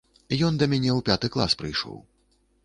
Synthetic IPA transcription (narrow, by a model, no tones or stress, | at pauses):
jɔnd̪ɐmʲanʲɛwpʲat̪ɨklˠa̰spɾɨjʂɔ̰w